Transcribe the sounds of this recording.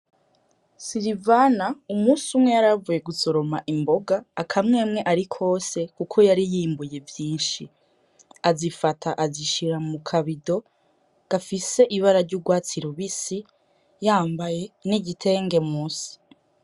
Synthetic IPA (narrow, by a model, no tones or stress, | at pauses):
siɾivanaumusumŋe̞jaɾavuje̞ɡuso̞ɾo̞maʔimbo̞ɡaːkʰamŋe̞ːmŋe̞ʔaɾikʰo̞ːse̞kukʰo̞jaɾijiːmbuje̞vjiːnʃi | azifatʰaʔaziʃiɾamukʰaβido̞ | ɡ̥afise̞ʔiβaɾaɾɟuɡwaːt͡siɾoβisi | jaːmbaje̞niɟitʰe̞ːŋɡe̞muːsi̥